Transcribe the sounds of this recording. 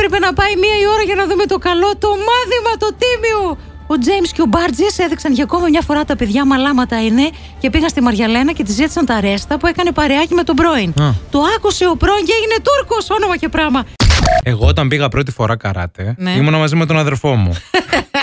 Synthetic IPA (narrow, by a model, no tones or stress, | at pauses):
pɾepe̞nɐpɐjmiɐio̞ɾɐʝɐnɐðume̞t̪o̞kɐlo̞t̪o̞mɐθimɐt̪o̞t̪imio | od͡zejmsceo̞bɐɾd͡zise̞ðiksɐnʝɐko̞mimɲɐfo̞ɾɐt̪ɐpe̞ðʝɐmɐlɐmɐt̪ɐine̞ | ce̞piɣɐnst̪imɐɾʝɐle̞nɐce̞t̪izit̪i̥sɐnt̪ɐɾe̞st̪ɐpue̞kɐne̞pɐɾeɐcime̞t̪o̞bɾo̞int̪o̞ɐkuse̞o̞pɾo̞inceʝine̞t̪uɾko̞so̞no̞mɐce̞pɾɐmɐeɣoot̪ɐmbiɣɐpɾo̞t̪i̥fo̞ɾʔɐkɐ̰ɾɐ̰t̪e̞neimonɐmɐzimet̪onɐðe̞lfo̞mṵ